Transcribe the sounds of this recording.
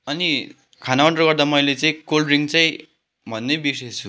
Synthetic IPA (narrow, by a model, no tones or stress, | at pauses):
ʌni | kʰanawʌɳʈʌrɡʌrd̪amʌjlet͡saĩkolriŋɡt͡saĩ | bʱʌnːebisejt͡sʰu